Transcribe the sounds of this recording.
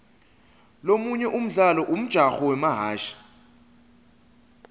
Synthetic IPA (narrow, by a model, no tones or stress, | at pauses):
lomuɲɛʔum̩ɮalɔʔum̩d̥ʒ̥ʱaxɔwɛmaɦaːʃḁ